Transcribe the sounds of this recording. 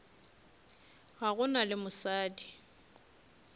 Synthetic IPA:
ɣaɣʊnalɪmʊsaːdi

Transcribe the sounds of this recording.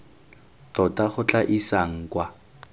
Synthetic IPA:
tɔtaχʊt͡ɬʼaʔisaŋ̩kwa

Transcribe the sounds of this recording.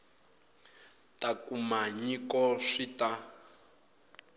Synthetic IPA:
takumaɲikɔʂita

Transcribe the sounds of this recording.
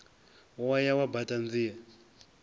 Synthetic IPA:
wajawabatand͡zija

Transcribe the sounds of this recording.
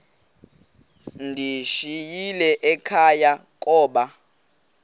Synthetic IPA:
ndʱiʃijilɛʔɛkʰajakʼɔːɓa

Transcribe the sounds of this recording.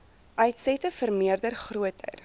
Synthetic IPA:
ʔɐɥtsɛtəfərmiərdərχruət̚œ̰jr

